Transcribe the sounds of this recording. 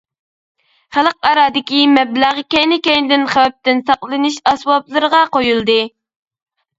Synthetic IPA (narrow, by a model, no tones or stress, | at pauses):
χælˠəq̚ɑɾɑːd̪ɪkʲimɛblæʁkʲɛjnɪkʲɛjnɪd̪ɪnχæwɛp̚t̪ɪnsɑqllˠɨnɨʃɑsbɑplˠɨɾəʁɑqojulˠd̪ɨ